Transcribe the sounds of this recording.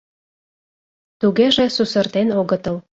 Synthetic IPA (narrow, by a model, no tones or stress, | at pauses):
t̪uɣeʒĕsusə̆rt̪enoɣɤ̆t̪ɤ̆l